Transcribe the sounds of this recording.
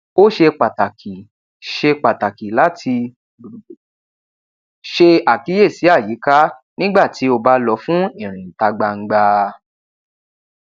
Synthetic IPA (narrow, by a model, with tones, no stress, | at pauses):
o˦ʃe˧k͡pa˨ta˨ki˨ | ʃe˧k͡pa˨ta˨ki˨la˦tʰi˧˨ | ʃe˧a˨ki˨˦je˦˨si˨˦a˦˨ji˨˦ka˦nĩ˦ɡ͡ba˦˨ti˨˦o˧ba˧˦lɔ˧fũ˦ĩ˨ɾ̃ĩ˨n̩˨ta˧ɡ͡ba˧ŋ̩˧ɡ͡ba˧